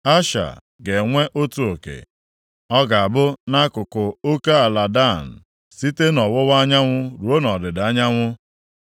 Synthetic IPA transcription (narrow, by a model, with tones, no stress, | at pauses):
a˦ʃa̰˨ | ɡe˨ŋʷe˦ʔo˦tu˨o˨kḛ˨ | ɔ˦ɡa˨a˨bʊ˦na˦kʊ˨kʊ˨o˦ka˦a˨la˨da˦˨n̩˨ | si˦te˦nɔ˨wʊ˦wa˦ɲa˦ŋʷʊ˦ɾu˨o˦nɔ˨dɪ˨da˦ɲa˦ŋʷʊ˦